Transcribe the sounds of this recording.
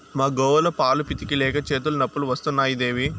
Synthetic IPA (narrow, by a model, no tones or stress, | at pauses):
maːɡɔːʋɐlɐpaːlupit̪ikilɛːkɐt͡ʃe̞ːt̪̬ulɐnɐpːuluʋɐst̪unːaːjid̪e̞ːʋi